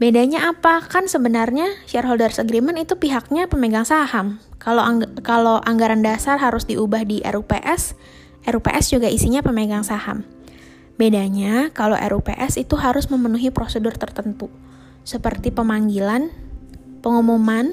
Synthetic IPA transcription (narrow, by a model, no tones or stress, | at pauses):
bedaɲaːpakansəbənarɲaʃɛrɦoldərsəɡɾimənit̪upiɦak̚ɲapəmeɡaŋsahamkalokaloʔaŋɡaɾandasarɦaɾʊsdiubahdiʔɛ̰ɾupeʔɛs | ʔɛɾupḛʔɛsd͡ʒuɡaʔisiɲapəmeɡaŋsaha̰m | bedaɲakaloʔɛ̰ɾupeʔɛsit̪uɦaɾʊsməmənuɦipɾosədʊrt̪ərt̪ənt̪u | səpərt̪ipəmaŋɡilan | pəŋumoman